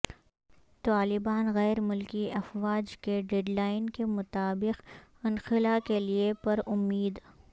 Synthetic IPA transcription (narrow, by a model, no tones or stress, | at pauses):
t̪aːlɪbaːnɣɛːɾmʊlkiɐfwaːd͡ʒkeɖeːɖlaːɪnkemʊt̪aːbɪqɐ̃nxɪlakeliepɐɾʊmːiːd̪